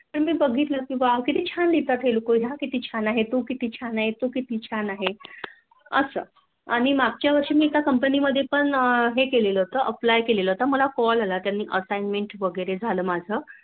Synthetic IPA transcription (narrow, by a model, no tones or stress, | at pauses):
t̪əɾmiːbəɡʱit̪ləkĩʋakit̪iːt͡ɕʰand̪it̪at̪ɦelokoɦakit̪iːt͡ɕʰanaɦet̪okit̪iːt͡ɕʰanaɦet̪okit̪iːt͡ɕʰanaɦe | əsə̰ː | aɽ̃imaɡ̚t͡ɕjaʋəɾʂiːmiːt̪akəmpəniməd̪ʱːjepəɳɦekeleləːɦot̪əʔəplajkeleləɦot̪aməlakɔlalat̪janːiːʔəsajnmeɳʈʋəɡəjɾed͡zʱaləːmad͡zʱəː